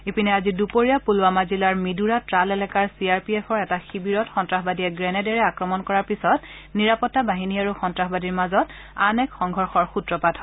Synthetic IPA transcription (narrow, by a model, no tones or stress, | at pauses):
epinɛazidupoɹijapulwamazilaɹmiduɹatɹalɛlɛkaɹsiaɹpiɛpʰɔɹɛtaxibiɹɔtxɔntɹaxbadiɛɡɹɛnɛdɛɹɛakɹɔmɔnkɔɹaɹpisɔtniɹapɔtːabaɦiniaɹuxɔntɹaxbadiɹmazɔt | anɛkxɔŋɡʱɔɹxɔɹxutɹɔpatʰɔ̥